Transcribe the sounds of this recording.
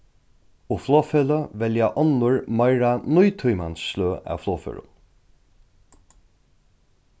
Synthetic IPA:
ʊfloːfeləʋɛljaʔɔnʊɹmɑɪɹanʊjt̪ʰʊjmansːløːʔa̰ːʋfloːfḛɹʊ̰n

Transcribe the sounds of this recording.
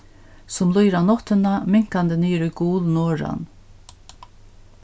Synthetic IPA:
sʊmlʊjɾanɔt̪ənamɪŋ̥kand̪əniːɾʊjɡuːlnɔːɾa̰n

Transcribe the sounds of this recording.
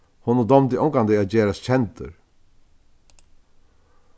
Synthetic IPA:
hɔnʊd̪ɔmt̪ɪʔɔŋkand̪ɪaðd͡ʒɛːɾast͡ɕʰɛnt̪ə̰ɾ

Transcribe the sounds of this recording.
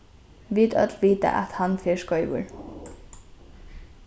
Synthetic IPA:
ʋid̪œ̰t̪lʋiːt̪ə̰ʔɑ̰t̪hɑnfeːʃkɔʏʋṵɹ

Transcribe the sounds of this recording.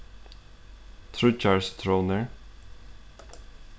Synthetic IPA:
t̪ʰɹʉːt͡ʃɑːlst̪ʰɹoʊnəɹ

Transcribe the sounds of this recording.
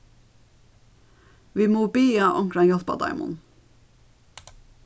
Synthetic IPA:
ʋiːmoːbiːɑʔɔŋkɾɑnjɔθbɑ̰d̪ɑ̰ɪmʊ̰n

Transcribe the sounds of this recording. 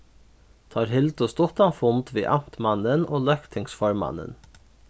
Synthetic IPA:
t̪ʰɑːɾhɪld̪ʊst̪ɔt̪ɑnfʊnd̪ʋḭːʔɑmt̪mɑnənʔoːlɑkt̪ʰɪŋsfɑɹmɑ̰nə̰n

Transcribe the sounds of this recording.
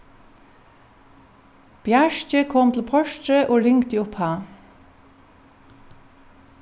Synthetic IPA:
b̥jæʃc͡çəkʰɔmt̪l̩pʰɔʃtɾəʔoːlʏŋɡt̪iʊphɑː

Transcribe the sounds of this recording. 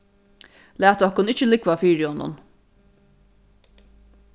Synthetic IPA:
læːt̪ɔkʊnɪt͡ʃːəlɪkʋafiːɹɪhɔnːʊ̰n

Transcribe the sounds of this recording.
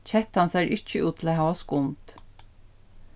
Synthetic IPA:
t͡ʃʰɛt̪hansæːɹʔɪcːəʉːt̪ʰɪlæːɦaːʋaskʊnt̪

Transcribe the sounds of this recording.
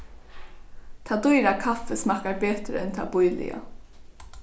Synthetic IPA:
t̪ʰɑːd̪ʊʏɾakʰafəsmɑkaɾbeːt̪ɾəɛnt̪ʰa̰bʊjlɪ̰a̰

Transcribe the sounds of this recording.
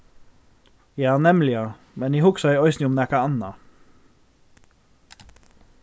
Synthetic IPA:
jɑːnɛmlɪɑ | mɛnjiːhʊɡsɑiːɔʏsnɪʊmnækɑɑnɑ

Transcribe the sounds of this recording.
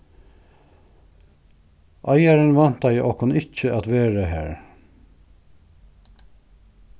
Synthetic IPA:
ʔɑɪɑɾənʋɑnt̪ɑɪʔɔkʊnɪc͡çəʔɑt̪ʋeːɹəhæ̰ːɹ

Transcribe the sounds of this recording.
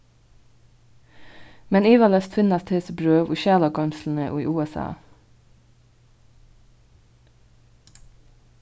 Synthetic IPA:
mɛniːʋɑləst̪fɪnɑst̪heːsəbɾøːʋṵːʃæːlɑkɑnsln̩əʔṵːḭːʔuːɛsɑ̰ː

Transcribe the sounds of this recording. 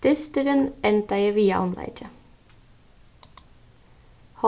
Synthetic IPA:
t̪ɪst̪əɾənɛnt̪æɪəʋiːɑ̰ʔɔnlæ̰ɪt͡ʃʰə | hɔ

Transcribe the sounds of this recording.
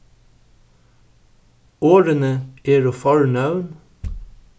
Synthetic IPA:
oːɾənəeːɾoːfɑɹɳɑʉn

